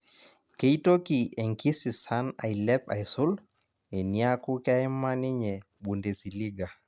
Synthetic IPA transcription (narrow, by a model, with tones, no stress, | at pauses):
ke˦i˦to˦ki˨e˨ŋki˦si˨sa˦na̰˨i˨lɛ˦pa̰˨jsu˦l | e˨ni˨˦a˦ku˦ka˦ɪ˦mːa˦ni˦ɲɛ˨ | ɓu˨nde˨si˨li˦ɡa˨